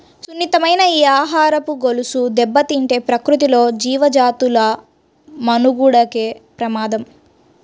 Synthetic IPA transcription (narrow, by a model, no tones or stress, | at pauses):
sunːit̪ɐmɐjnɐiːaːɦaːɾɐpuɡolusud̪ɛbːɐt̪iɳʈeːpɾɐkɾut̪ilo̞ːd͡ʒiːʋɐd͡ʒaːt̪ulɐ | mɐnuɡuɽɐkeːpɾɐmaːd̪ɐm